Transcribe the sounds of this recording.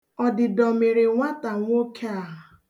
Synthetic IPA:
ɔ˨dɪ˨dɔ˨me˨ɾe˨ŋʷa˦ta˨ŋʷ˦o˦kʰe˦a˨

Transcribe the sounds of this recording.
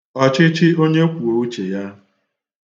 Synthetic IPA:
ɔ˦˨t͡ʃɪ˦t͡ʃɪ˦o˦ɲe˦kʷu˨o˨u˦t͡ʃe˨ja˦

